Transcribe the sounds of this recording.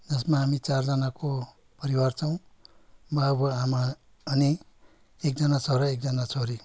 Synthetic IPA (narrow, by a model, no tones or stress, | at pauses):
d͡zʌsmaɦamit͡sard͡zʌnako | pʌɾiwart͡sʰʌw̃ | babʌamaː | ni | ek̚d͡zʌnat͡sʰʌɾʌek̚d͡zʌnat͡sʰʌɾi